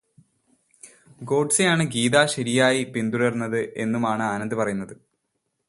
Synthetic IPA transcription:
ɡo̞ːɖsejaːɳɨɡiːðaːɕɐɾijaːjipind̪uɾɐrnːɐðɨʔe̞̰nːumaːɳɨaːnɐnd̪ɨpɐrɐjunːɐðɨ

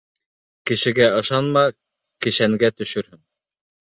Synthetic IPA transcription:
kɘ̆ʃɘ̆ɡæɤ̆ʃɑnmɑ | kɘ̆ʃæŋɡæt̪ɵ̆ʃɵɾhɘn

